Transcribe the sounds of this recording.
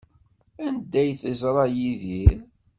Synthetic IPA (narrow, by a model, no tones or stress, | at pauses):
ænd̪æjθəzɾˤɑjiðiɾ